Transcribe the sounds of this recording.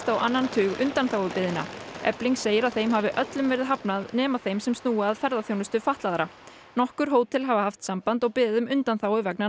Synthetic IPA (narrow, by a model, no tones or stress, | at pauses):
t̪awʔanːant̪ʰʏːɣʏ̰nt̪anθawɪpɪðɪna̰ɛ̰pliŋkseːjɪɾaðθejmɦavɪʔœt̪lʏmvɛːɾɪðɦapnaðnɛːmḁθejmsɛmst̪uːaːðfɛɾðaθjownʏst̪ʏfaht̪laðaɾa | nɔhkʏɾ̥ɦoːwt̪ʰɪlɦavahaft̪sampant̪ɔɣpɪːðʏmʏnt̪anθaːwɪvɛkna